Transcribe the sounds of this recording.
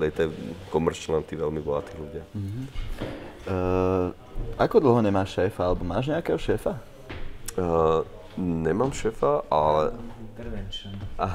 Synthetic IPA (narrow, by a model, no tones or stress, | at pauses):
lɛɪt̪ɛɛkɔmɛɾt͡ʃlɛnt̪iːʋɛlmibɔɦat̪iːɣluɟɪaɦ̩ | akɔd̪l̩ɦɔɲɛmaːʃʃɛːfaalɛbɔmaːʒɲɛakɛːɦɔʃɛːfa | ɲɛmaːmʃɛːfaʔalɛt̪ | aɦ